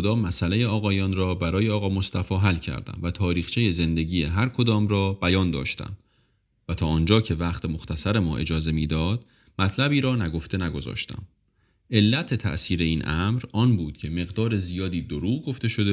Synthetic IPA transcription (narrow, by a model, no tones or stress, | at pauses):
od̪ɒːmæsʔæle̞jeɒːɣɒːjɒːnɾɒːbæɾɒːjeɒːɣɒːmo̞st̪æfɒːɦælcʰæ̰ɾd̪æ̰mvæt̪ʰɒːɾiːxt͡ʃʰeje̞ze̞nd̪e̞ɟiːjeɦæɾkʰo̞d̪ɒːmɾɒːb̥æjɒːnd̪ɒ̰ːʃt̪æ̰m | væt̪ʰɒːɒːnd͡ʒɒːcʰe̞væχt̪ʰemo̞xt̪ʰæsæɾe̞mɒːʔe̞̰d͡ʒɒːze̞miːd̪ɒːd̪̥ | mæt̪ʰlæbiːɾɒːnæɡo̞ft̪ʰe̞næɡo̞zɒ̰ːʃt̪æ̰m | e̞lːæt̪ʰe̞t̪ʰæ̰ʔsiːɾe̞iːnʔæmɾɒːnbuːd̪̥cʰe̞me̞ɣd̪ɒːɾe̞zijɒːd̪iːd̪oɾuːɡo̞ft̪e̞ʃo̞d̪e